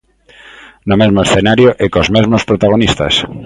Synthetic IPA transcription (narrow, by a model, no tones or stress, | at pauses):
nomezmoesθenaɾjoʔekozmezmospɾot̪aɣ̞onist̪ɐ̰s